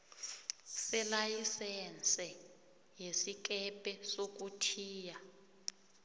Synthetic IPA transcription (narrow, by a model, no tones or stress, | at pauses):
sɛlajisɛnt͡sʼɛ | jesik̬ʼɛpʼɛsok̬ʼutʰiːja